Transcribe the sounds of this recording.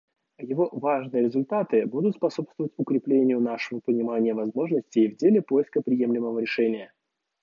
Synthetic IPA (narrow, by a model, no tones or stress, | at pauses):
jɪvo̞vaʐnɨjəɾʲɪzʊlʲt̪at̪ɨbud̪ʊt̪spɐso̞pst̪vəvətʲʊkɾʲɪplʲenʲɪjʊnaʂɨvəpənʲɪmanʲɪjəvɐzmo̞ʐnəsʲtʲɪjvdʲelʲɪpojɪskəpɾʲɪje̞mlʲɪməvəɾʲɪʂɛnʲɪjə